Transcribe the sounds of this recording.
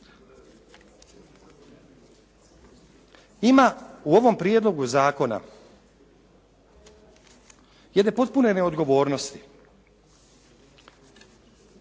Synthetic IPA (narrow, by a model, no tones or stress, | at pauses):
imauo̞ʋo̞mpɾjed̪lˠo̞ɡuzaːko̞na̰ | jed̪nepo̞t̪̚pune̞neo̞d̪ɡo̞ʋo̞ːɾno̞st̪i̥